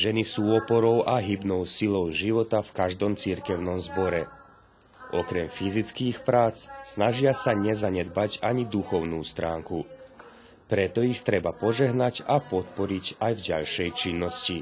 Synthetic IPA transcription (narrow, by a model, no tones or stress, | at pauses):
ʒɛnisuːɔpɔɾɔʊʔaɦibnɔʊsilɔʊʒiʋɔt̪afkaʒd̪ɔmt͡siɾkɛʊnɔmzbɔɾɛ | ʔɔkɾɛmfizit͡skiːxpɾaːt͡ssnaʒɪasaɲɛzaɲɛd̪bacaɲid̪uxɔʊnuːst̪ɾaːŋku | pɾɛt̪ɔixt̪ɾɛbapɔʒɛɦnacapɔt̪̚pɔɾiɟajvɟa̰ʎʃɛjt͡ʃinːɔsci